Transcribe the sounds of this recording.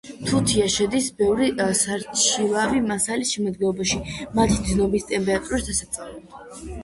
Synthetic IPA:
t̪ʰut̪ʰiaʃɛd̪isbɛvɾisaɾt͡ʃʰilˠavimasalisʃɛmad̪ɡɛlˠɔbaʃimat̪ʰid̪znɔbist̪ʼɛmpʼɛɾat̪ʼuɾisd̪asat̪sʼavlɛba

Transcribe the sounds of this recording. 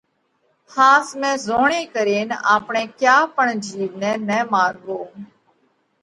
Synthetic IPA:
hãːsmɛ̃ːzoːɳẽːkəɾeːnaːpɳẽːkjaːpəɳd͡ʒiːʋnɛ̃ːnɛ̃ːmaːɾɡoː

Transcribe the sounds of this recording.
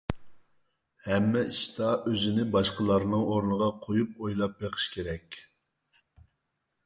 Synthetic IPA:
hɛmːɛiʃt̪ɑʔøzɪnɪbɑʃqəlˠɑɾɨnɨŋoɾnəʁɑqʰojup̚ojlˠɑp̚beqʰə̥ʃkʲʰeɾɛkʲ

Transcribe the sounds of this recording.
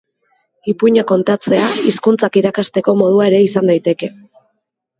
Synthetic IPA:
ipuɲako̞nt̪at͡se̞aiskunt͡sakiɾakast̪e̞ko̞mo̞ð̞uae̞ɾe̞isand̪ajt̪e̞ke̞

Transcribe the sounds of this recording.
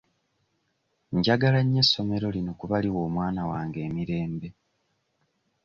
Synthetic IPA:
ɲɟaɡalaɲːe̞sːo̞me̞ɾo̞linokuβaliwo̞ːmwaːnawaːŋɡe̞ːmiɾe̞ːmbe̞

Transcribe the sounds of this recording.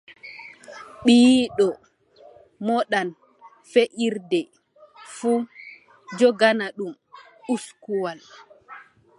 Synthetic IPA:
ɓiɗɔ | mɔɗan | feʔiɾdɛ | fu | d͡ʒɔɡanaɗum | uskuwal

